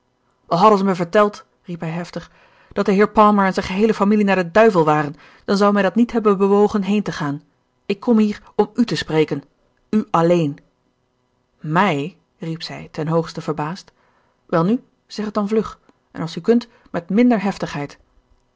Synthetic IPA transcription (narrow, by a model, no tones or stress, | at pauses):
ɑlˠɦɑdənzəməvəɹtɛlˠt | ripɦɛjɦɛftəχ | d̥ɑt̚dəɦɪːɹpɑlˠməɹɛnzɛjnχəɦejləfamilinaːɹdədœɥvəlˠʋaːrən | d̥ɑnzɑwmɛjdɑtnitɦɛbənbəʋowχənɦejntəχaːn | ɪkʰːɔmɦiːɹ | ɔmytəsprejkən | yʔɑlejn | mɛj | ripsɛjtɛnɦowχstəvəɹbaːst | ʋɛlˠny | z̥ɛχət̚dɑnvlɵχ | ʔɛ̰nɑlˠsykɵnt | mɛtmɪndəɹɦɛftəχɦɛjt